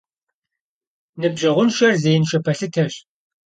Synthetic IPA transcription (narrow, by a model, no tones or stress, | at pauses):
nɨbʒɐʁʷʊnʃɐrzejɪnʃɐpʰɐɬɨtʰɐɕ